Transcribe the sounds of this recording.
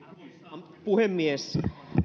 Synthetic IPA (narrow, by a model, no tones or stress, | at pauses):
puhemːies